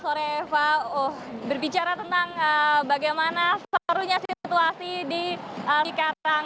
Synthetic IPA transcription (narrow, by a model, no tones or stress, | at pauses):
soɾeːfaohbərbit͡ʃaɾat̪ənt̪aŋəbaɡajmanassəpəɾuɲasit̪uasidiəkaaŋ